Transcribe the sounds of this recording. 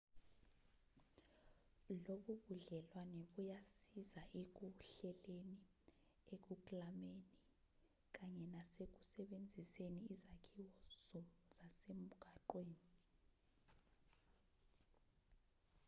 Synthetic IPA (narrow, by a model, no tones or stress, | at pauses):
loɓuɓuɮɛlwanɛɓujasizaʔek̬uɬɛleni | ek̬uk̬ʼlameni | k̬ʼaɲɛnasek̬u̥sɛɓend͡zʱiseniizakʰiwɔzɔzasem̩ɡ̥ʱaǃweːni